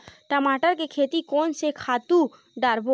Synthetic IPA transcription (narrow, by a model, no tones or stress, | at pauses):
ʈamaʈaɾkekʰet̪ikonsekʰat̪u | ɖaɾbo